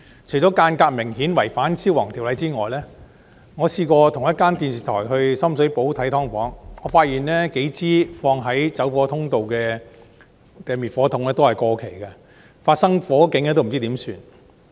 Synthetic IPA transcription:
t͡ʃʰɵ˨˩ɥt͡sɔː˨˥kaː˧nkaː˧k̚mɪ˨˩ŋhiː˨˥nwɐ˨˩jfaː˨˥nsiː˥wɐː˨˩ŋt̪ʰi˨˩wlɐ˨˧jt͡siː˥ŋɔː˨jlɛː˥ | ŋɔː˨˧siː˧kɔː˧t̪ʰʊ˨˩ŋjɐ˥t̚kaː˥nt̪iː˧nsiː˨t̪ʰɔː˨˩jɦɵ˧ɥsɐ˥msɵ˨˥ɥpo˨˥wt̪ʰɐ˨˥jt̪ʰɔː˥ŋfɔː˨˥ŋŋɔː˨˧faː˧t̚jiː˨˩nlɛː˥ke˨˥jt͡siː˥fɔː˧ŋɦɐ˨˥jt͡sɐ˨˥wfɔː˨˧˥t̪ʰʊ˥ŋt̪o˨wkɛː˧ | kɛː˧mi˨t̚fɔː˨˥t̪ʰʊ˧˥ŋlɛː˥t̪o˥whɐ˨jkɔː˧kʰe˨˩jkɐ˧ | faː˧t̚sɐ˥ŋfɔː˨˥kɪ˨˧˥ŋːɛː˧t̪o˥m̩˨˩t͡siː˥t̪i˨˥msyː˧n

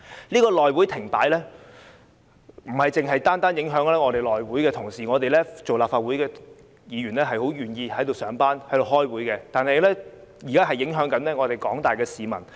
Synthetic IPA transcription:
nliː˥kɔː˧lɔː˨jwuː˨˥jt̪ʰɪ˨˩ŋpaː˨˥jlɛː˥ | m̩˨˩hɐ˨jt͡sɪ˨ŋɦɐ˨jt̪aː˥nt̪aː˥njɪ˨˥ŋɦœː˨˥ŋlɛː˥ŋɔ˨˧ɾe˨˩jlɔː˨jwuː˨˥jkɛː˧t̪ʰʊ˨˩ŋsiː˨ŋɔː˨˧t̪e˨jlɛː˥t͡so˨wlaː˨pfaː˧t̚wuː˨˥jkɛː˧ | jiː˨˧ɥyː˨˩nlɛː˥ɦɐ˨jho˨˥wjyː˨njiː˧hɐ˨˥jt̪o˨wsœː˨˧ŋpaː˥nhɐ˨˥jto˨whɔː˥jwuː˨˥jkɛ˧t̪aː˨nhɐ˨jlɛː˥ | jiː˨˩kaː˥ɦɐ˨jːɪ˨˥ŋɦœː˨˥ŋkɐ˨˥nlɛː˥ŋɔː˨˧t̪e˨˩jkɔː˨˥ŋt̪aː˨jkɛː˧siː˨mɐ˨˩n

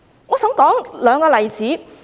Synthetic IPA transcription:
ŋɔː˨˧sɐ˨˥ŋkɔː˨˥ŋlœː˨˧ŋkɔː˧lɐ˨jt͡siː˨˥

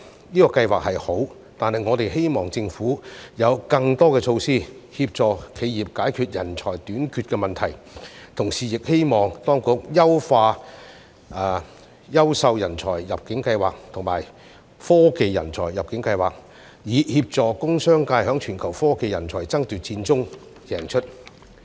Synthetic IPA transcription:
niː˥kɔː˧kɐ˧jwaː˨˩k̚hɐ˨jho˨˥w | t̪aː˨nhɐ˨jŋɔː˨˧t̪e˨jɦe˥jmɔː˨˩ŋt͡sɪ˧ŋfuː˨˥jɐ˨˧wkɐ˧ŋt̪ɔː˥kɛː˧t͡ʃʰo˧wsiː˥hiː˧p̚t͡ʃɔː˨˩kʰe˨˧jjiː˨p̚kaː˨˥jkʰyː˨t̚jɐ˨˩nt͡ʃʰɔː˨˩jt̪yː˨˥nkʰyː˧t̚kɛː˧mɐ˨nt̪ʰɐ˨˩j | t̪ʰʊ˨˩ŋsiː˨jɪ˨k̚he˥jmɔː˨ŋt̪ɔː˥ŋkʊ˨˥k̚jɐ˥wfaː˧ | ʔː | jɐ˥wsɐ˧wjɐ˨˩nt͡sʰɔː˨˩jjɐ˨p̚kɪ˨˥ŋkɐ˧jwaː˨k̚t̪ʰʊ˨˩ŋmaː˨˩j | fɔː˥ke˧jːɐ̰˨˩nt͡ʃʰɔː˨˩jjɐ˨p̚kɪ˨˥ŋkɐ˧jwaː˨˩k̚ | jiː˨˧˥hiː˧p̚t͡sɔː˨kʊ˥ŋsœː˥ŋkaː˧jhœː˨˥ŋt͡ʃʰyː˨˩nkʰɐ˨˩wfɔː˥ke˧jɐ˨˩nt͡sʰɔː˨˩jt͡sɐ˥ŋt̪yː˨˩t̚t͡siː˧nt͡sʊ˥ŋ | jɛː˨˩ŋt͡ʃʰɵ˥t̚

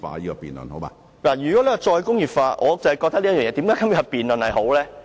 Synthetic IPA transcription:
fa̰ː˧jiː˦˥kɔ˧piː˨nlə̰˨nho˨˦wba̰ː˧ | laː˨˩jyː˨˩kɔ˨˥lɛ˨˥˨t͡ʃɔː˧jkʊ˥ŋjiː˨˩p̚faː˧ʔɔː˨˧t͡sɐ˨hjkɔ˧t̪ɐ˥liː˥jœː˨˩ŋɛ˨˧t̪i˨˥mkaː˨˦jkɐ˥mjɛ˥ɐ˨piː˨nlɵ˨nhɐ˨jho˨˥wlɛː˥

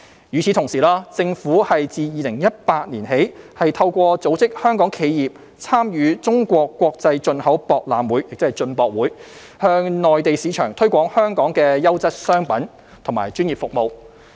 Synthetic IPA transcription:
jyː˨˧t͡sʰiː˨˥t̪ʰʊ˨˩ŋsiː˨˩laː˥t͡sɪ˧ŋfuː˨˥hɐ˨jt͡siː˨jiː˨lɪ˨˩ŋjɐ˥t̚paː˧t̚niː˨˩nhe˨˥jhɐ˨jt̪ʰɐ˧wkʷɔː˧t͡so˨˥wt͡sɪ˥k̚hœː˥ŋkɔː˨˥ŋkʰe˨˧jjiː˨p̚ | t͡sʰaː˥mjyː˨˧t͡sʊ˥ŋkʷɔː˧kːʷɔː˧k̚t͡sɐ˧jt͡ʃɵ˧nhɐ˨˥wpɔː˧k̚la̰ː˨mwuː˨˥jjɪ˨k̚t͡sɪ˥hɐ˨˩jt͡ʃɵ˧npɔː˧k̚wuː˨˥j | hœː˧ŋnɔː˨jt̪e˨jsiː˨˧t͡ʃʰœː˨˩ŋt̪ʰɵ˥ɥkʷɔː˨˥ŋhœː˥ŋkɔː˨˥ŋkɛː˧jɐ˥wt͡sɐ˥t̚sœː˥ŋpɐ˨˥n | t̪ʰʊ˨˩ŋma̰ː˨˩jt͡ʃyː˥njiː˨p̚fʊ˨k̚mo˨˧w

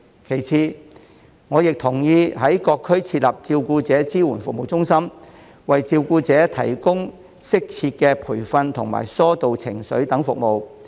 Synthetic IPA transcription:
kʰe˨˩jt͡sʰiː˧ | ŋɔː˨˧jɪ˨k̚t̪ʰʊ˨˩ŋjiː˧ɦɐ˨˥jkɔː˧kʰːɵ˥ɥt͡sʰiː˧t̚lɐ˨p̚t͡siː˧wkuː˧t͡sɛː˨˥t͡siː˥wuː˨˩nfʊ˨k̚mo˨wt͡sʊ˥ŋsɐ˥m | wɐ˨jt͡siː˧wkuː˧t͡sɛː˨˥t̪ʰɐ̰˨˩jkʊ˥ŋ | sɪ˥k̚t͡sʰiː˧t̚kɛː˧pʰuː˨˩jfɐ˧nt̪ʰʊ˨˩ŋma̰ː˨˩jsɔː˥t̪o˨wt͡sʰɪ˨˩ŋsɵ˨˥ɥt̪ɐ˨˥ŋfʊ˨k̚mo˨w

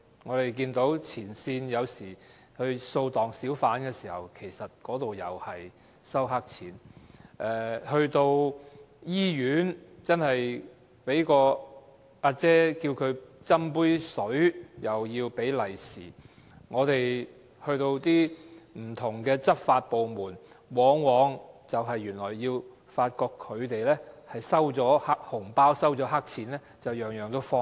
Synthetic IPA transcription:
ŋɔː˨˧t̪e˨jk̬iː˧nt̪o˨˥wt͡sʰiː˨˩nsiː˧njɐ˨˧wsiː˨˩ | hɵ˧ɥso˧wt̪ɔː˨ŋsiː˨˥wfaː˨˥nkɛː˧siː˨˩hɐ̰˨˩wkʰe˨˩jsɐ˨t̚kɔː˨˥t̪o˨wjɐ˨whɐ˨j | sɐ˥wɦa˥k̚t͡sʰiː˨˥nʔɛː˨˩hɵ˧ɥt̪o˧wjiː˥jyː˨˥nt͡sɐ˥nhɐ˨j | pe˨˥jkɔː˧ | ʔaː˧t͡sɛː˥kiː˧wkʰɵ˨˧ɥt͡sɐ˥mpuː˥jsɵ˨˥ɥjɐ˨wjiː˧wpe˨˥jlɐ˨˩jsḭː˨˩ | ŋɔː˨˧t̪e˨j | hɵ˧ɥt̪o˧wt̪iː˥m̩˨˩t̪ʰʊ˨˩ŋkɛː˧t͡sɐ˥t̚faː˧t̚po˨wmuː˨˩n | wɔː˨˧˥ŋwɔː˨˧ŋt͡sɐ˨wɦɐ˨jːyː˨˩nlɔː˨˩jːiː˧w | faː˧t̚kɔː˧kʰːɵ˨˧ɥt̪e˨jlɛː˥hɐ˨jsɐ˥wt͡sɔː˨˥ha˥k̚hʊ˨˩ŋpaː˥wsɐ˥wt͡sɔː˨˥ɦa˥k̚t͡sʰiː˨˥nlɛː˥t͡sɐ˨wjœː˨ŋjœː˨˩ŋt̪o˥wfɔː˥ŋ

